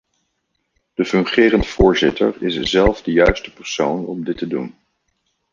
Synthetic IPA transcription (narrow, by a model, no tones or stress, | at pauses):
d̥əfɵŋχɪːrəntfʊːɹzɪtə̰ɹɪszɛlˠvdəjœɥstəpəɹsownɔmdɪtədṵn